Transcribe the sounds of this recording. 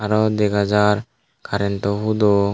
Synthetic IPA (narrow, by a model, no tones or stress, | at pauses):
aɾɔd̪eɡad͡ʒaɾ | kaɾent̪ɔɦud̪o